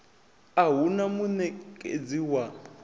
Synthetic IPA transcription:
aɦunamunɛkʼḛd͡ziwa

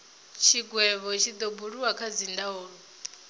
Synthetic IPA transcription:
t͡ʃʰiɡwɛβɔt͡ʃʰid̪ɔbuɺuwakʰad͡zindaɦɔːɺɔ

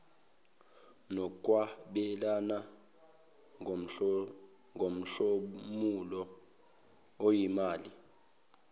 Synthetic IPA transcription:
nɔkʼwaɓɛlana | ŋʱom̩ɬomulɔ | ojimaːli

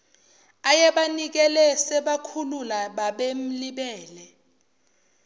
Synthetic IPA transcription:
ajɛɓanik̬ɛlɛsɛɓakʰululaɓaɓem̩liɓɛːlɛ

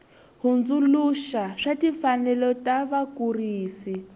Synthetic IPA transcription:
ɦund͡zuluʃaʂatifanɛlɔtaβakuriːsi

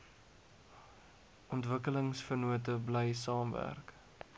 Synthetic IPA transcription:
ʔɔntvəkələŋsfərnuətəblɛjsɑːmvæ̰rk

